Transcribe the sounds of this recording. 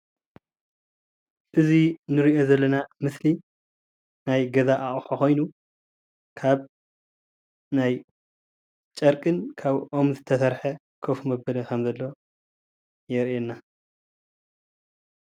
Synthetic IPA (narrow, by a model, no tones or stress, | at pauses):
ʔɨzinɨɾiʔo̞zɐlːɐnamɨsli | najɡɐzaʔaʔʼħoxo̞jnu | kʰaβ | naj | t͡ʃʼɐɾkʼɨnkʰaβʔo̞mzɨt̪ʰɐsɐɾħɐ | kʰofumɐbɐlɐkʰɐmzɐlːo̞ | jɛɾʔenːa